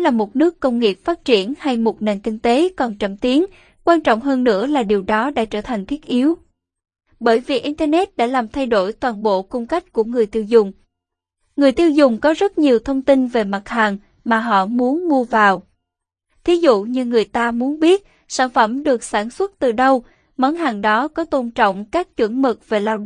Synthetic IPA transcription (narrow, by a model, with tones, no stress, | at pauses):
laː˨˩mo˨˩t̚nɨ˦˥əkːə˧wŋ͡mŋi˨˩əp̚faː˦˥t̚t͡ɕi˧˩ənha˧jmo˨˩t̚ne˨˩nkï˧ŋ̟t̪e˨˦kɔ˨˩nt͡ɕə˧˩mt̪i˨˦ən | kwaː˧nt͡ɕɔ̰˧˨wŋ͡mɦəː˧nːɨ̰˧˥əlaː˨˩ɗi˨˩əwɗɔ˨˦ɗa̰ː˧˥t͡ɕəː˧˩t̪ʰa˨˩ŋ̟t̪ʰi˦˥ət̚ʔi˨˦əw | ɓəː˧˩jvi˨˩kʔi˧nt̪ə˧nɛ˦˥t̚ɗa̰ː˧˥laː˨˩mt̪ʰa˧jɗo˧˩jt̪waː˨˩nɓo̰˧˨kʊ˧ŋ͡mka˦˥jk̟̚ku˧˩əŋɨ˨˩əjt̪i˧əwzʊ˨˩ŋ͡m | ŋɨ˨˩əjt̪i˧əwzʊ˨˩ŋ͡mkɔ˨˦zə˦˥t̚ɲi˨˩əwt̪ʰə˧wŋ͡mt̪i˧nve˨˩ma˨˩t̚haː˨˩ŋ | maː˨˩ɦɔ̰˧˨mu˨˦ənmu˧əvaː˨˩w | t̪ʰi˨˦zṵ˧˨ɲɨ˧ŋɨ˨˩əjt̪aː˧mu˨˦ənɓi˦˥ət̚ | saː˧˩nfə˧˩mɗɨ˨˩ək̚saː˧˩nswə˦˥t̚t̪ɨ˨˩ɗə˧w | mə˨˦nɦaː˨˩ŋɗɔ˨˦kɔ˨˦t̪o˧nt͡ɕɔ̰˧˨wŋ͡mkaː˦˥k̚t͡ɕwɨ̰˧˩ŋmɨ˨˩k̚ve˨˩laː˧w